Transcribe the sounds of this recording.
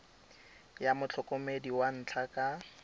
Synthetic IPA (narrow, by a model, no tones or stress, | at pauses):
jamʊt͡ɬʰɔkʼɔmediwan̩t͡ɬʰakʼa